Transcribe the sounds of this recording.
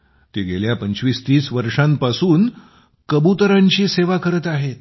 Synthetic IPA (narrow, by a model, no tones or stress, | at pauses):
t̪eɡeljapəɲt͡ɕʋiːst̪iːsʋəɾʂãmpasuːn | kəbut̪ɾãɲt͡ɕiːseʋakəɾət̪aɦet̪